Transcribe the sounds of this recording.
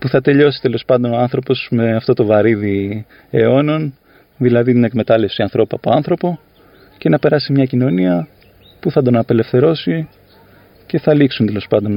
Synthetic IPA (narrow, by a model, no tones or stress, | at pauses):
puθɐt̪e̞ʎo̞si̥t̪e̞lo̞spɐnd̪o̞no̞ɐnθɾo̞po̞smeɐft̪o̞t̪o̞vɐɾiði | e̞o̞no̞n | ðilɐðit̪nekme̞t̪ɐle̞fsiɐnθɾo̞puɐpoɐnθɾo̞po̞ | ce̞nɐpe̞ɾɐsimɲɐcino̞niɐ | puθɐd̪o̞nɐpe̞le̞fθe̞ɾo̞si | ce̞θɐliksunt̪e̞lo̞spɐnd̪o̞n